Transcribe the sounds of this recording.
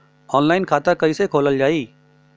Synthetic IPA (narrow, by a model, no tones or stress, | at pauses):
ɔːnlaːɪnkʰaːt̪akɐisekʰoːləld͡ʒaːiː